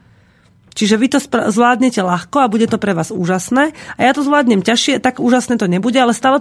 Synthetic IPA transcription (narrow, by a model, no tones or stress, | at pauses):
t͡ʃiʒɛʋit̪ɔspzʋlaːd̪ɲɛcɛlaxkɔabuɟɛt̪ɔpɾɛʋaːzṵːʒasnɛːajat̪ɔzʋlaːd̪ɲɛmcaʃɪɛt̪aɡuːʒasnɛːt̪ɔɲɛbuɟɛalɛst̪aːlɛ